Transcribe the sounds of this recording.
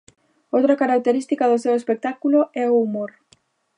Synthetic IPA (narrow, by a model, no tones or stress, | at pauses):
owt̪ɾakaɾak̚t̪eɾist̪ikaðosewespek̚t̪akuloɛoːmoɾ